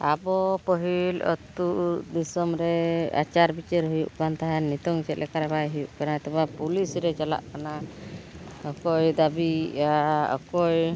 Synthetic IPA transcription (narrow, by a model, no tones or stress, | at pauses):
abɔpɔɦilɔ̰t̪uʔd̪isɔmɾɛa̰t͡ʃaɾbit͡ʃɛɾɦujṵʔkant̪aɦanit̪ɔŋt͡ʃɛt̪̚lɛkaɾɛbajɦujuʔkanaɛt̪ɛpapulisɾɛt͡ʃɔla̰ʔkana | ɔkɔjd̪abiaɔ̰kɔj